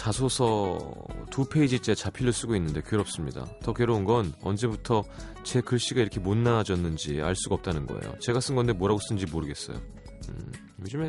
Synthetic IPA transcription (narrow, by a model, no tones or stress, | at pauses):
t͡ɕasʰosʰʌ | tupʰe̞id͡ʑit͡ɕ͈e̞t͡ɕapʰiʎːos͈uɡoinːɯnde̞kjɯɾʌp̚s͈ɯmɲida̰tʌkeɾounɡʌnʌ̰nd͡ʑe̞butʰʌ | t͡ɕe̞kɯɭɕ͈iɡaiɾʌkʰe̞monːad͡ʑʌnːɯnd͡ʑia̰ɭs͈uɡʌp̚t͈anɯnɡʌ̰ḛjo̰t͡ɕe̞ɡas͈ɯnɡʌnde̞mwoɾaɡos͈ɯnɯɲd͡ʑimoɾɯɡe̞s͈ʌ̰jo̰ | ɯ | jod͡ʑɯme